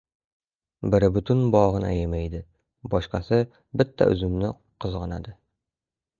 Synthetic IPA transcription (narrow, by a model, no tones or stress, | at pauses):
bɪɾɪbʊt̪ʰʊnbɒʁɤnæ̰jemæjd̪ɪ | bɒʃqɑsɪ | bɪt̪ʰːa̰ʔɵ̰zɵmnɪ | qʰɨzʁɑna̰d̪ɪ